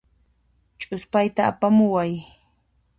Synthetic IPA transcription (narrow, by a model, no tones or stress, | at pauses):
t͡ʃʼʊspajt̪aːpamʊwaj